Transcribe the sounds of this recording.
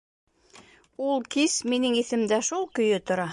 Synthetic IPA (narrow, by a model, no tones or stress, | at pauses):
ulˠkisminɘŋiθɘ̆md̪æʃulˠkɵ̆jɵt̪ŏɾɑ